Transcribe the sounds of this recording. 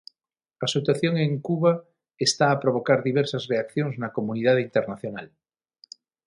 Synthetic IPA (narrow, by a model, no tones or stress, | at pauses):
asot̪waθjoŋẽŋkuβa | est̪aːpɾoβ̞okaɾðiβ̞ɛɾsazreakθjoŋznakomuniðaðint̪eɾnaθjonal